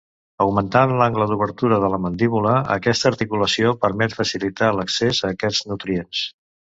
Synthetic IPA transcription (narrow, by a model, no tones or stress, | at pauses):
əwmənt̪anlaŋɡləd̪uβəɾt̪uɾəðələmənd̪iβuləə̰kɛst̪əːɾt̪ikuləsiopəɾmɛt̪fəsilit̪aləksezəːkɛd͡znut̪ɾiens